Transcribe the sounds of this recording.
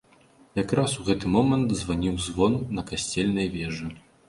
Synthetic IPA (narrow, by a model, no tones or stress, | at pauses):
jakɾasuɣɛt̪ɨmɔmɐnt̪zvanʲiwzvɔnːɐkasʲt͡sʲɛlʲnɐjvʲɛʐɨ